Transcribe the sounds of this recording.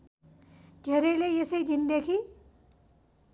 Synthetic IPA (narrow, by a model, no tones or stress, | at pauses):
d̪̥ʱeɾʌjleesʌjd̪ind̪ekʰi